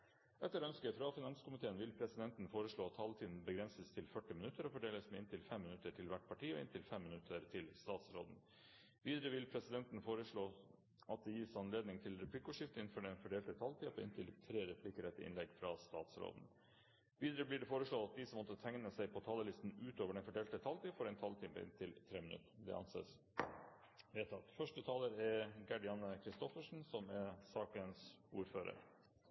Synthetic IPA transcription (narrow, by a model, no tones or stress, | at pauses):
ʔɛt̪ːəɾœnskəfɾɑfɪnɑnskʊmɪt̪ʰeːənʋɪlpʰɾɛsɪd̪ɛnt̪n̩foːɾəʂɭoːɑt̪ʰːɑlt̪ʰiːd̪n̩bəɡɾɛnsəst̪ʰɪlfœʈːɪmɪnʉt̪ːəɾɔfɔɖeːləsmɛɪnt̪ɪlfɛmːɪnʉt̪ːəʈʰɪlʋæʈːpʰɑʈiːɔ̰ɪ̰nt̪ɪlfɛmːɪnʉt̪ʰːəɾt̪ʰɪlst̪ɑːt̪sɾo̰ːd̪n̩ | ʋiːd̪əɾəʋɪlpʰɾɛsɪd̪ɛnt̪n̩foːɾəʂɭoː | ʔɑt̪̚d̪ɛjiːsɑnleːd̪nɪŋt̪ʰɪlɾɛpʰlɪkːʊʂɪft̪əɪnn̩fɔɖɛnfɔɖeːlt̪ət̪ʰɑlt̪ʰiːɑpʰɔɪ̰nt̪ʰɪlt̪ʰɾeːɾɛpʰlɪkəɾɛt̪ːəʔɪ̰nlɛɡfɾɑst̪ɑːt̪sɾo̰ːd̪n̩ | ʋiːd̪əɾəblɪɖɛfoːɾəʂɭoːɑt̪̚d̪ɪsɔmɔt̪ːət̪ʰɛŋnəsæɪpʰɔt̪ʰɑːləlɪst̪n̩ʉːt̪oːʋəɖɛnfɔɖeːlt̪ət̪ʰɑlt̪iːfɔɾɛɪnt̪ʰɑlt̪ʰiːpə̰ɪ̰nt̪ʰɪlt̪ʰɾeːmɪnʉ̰t̪əd̪ɛ̰ʔɑ̰nsḛːs | ʋeːt̪ʰɑt̪fœʂʈət̪ʰɑːləɾɛɾɡɑɖɪɑnəkʰɾɪst̪ɔfəʂɳ̩sɔmɛɾsɑːkənsuːɾføːɾə̰ɾ